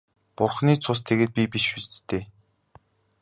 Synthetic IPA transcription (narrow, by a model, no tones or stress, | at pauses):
pʊrχniːt͡sʰʊs̬t̪ʰeɣeːt̪̚pʲipiʃuɮt͡st̪eː